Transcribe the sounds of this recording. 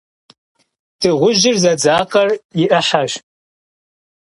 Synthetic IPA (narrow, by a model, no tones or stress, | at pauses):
tʰɨʁʷʊʒɪrzɐd͡zaːqɐrjɪʔɐħaɕ